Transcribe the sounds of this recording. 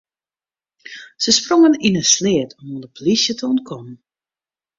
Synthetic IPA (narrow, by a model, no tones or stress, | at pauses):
səsproŋəninənslɪətʰɔmɔndəplisjətʰəɔnt̚kʰɔmn